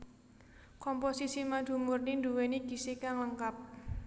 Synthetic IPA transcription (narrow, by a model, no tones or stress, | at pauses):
kɔmposisimad̪̥ṳmʊrnindṳweniɡ̥i̤sikaŋləŋkap̚